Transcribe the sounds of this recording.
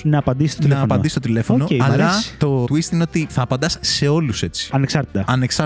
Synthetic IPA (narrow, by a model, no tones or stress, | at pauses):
nɐːpɐnd̪isist̪ot̪ilnɐːpɐnist̪ot̪ile̞fo̞onoeɐlɐt̪o̞t̪wist̪ine̞o̞t̪iθɐːpɐnd̪ɐsse̞o̞luse̞t͡si̥ɐneksɐɾt̪i̥t̪ɐɐneksɐ